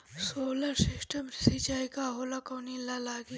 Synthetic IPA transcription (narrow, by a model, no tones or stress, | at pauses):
soːlɐɾsɪsʈɐmɾsit͡ʃaːikaɦoːlakɐnilalaːɡi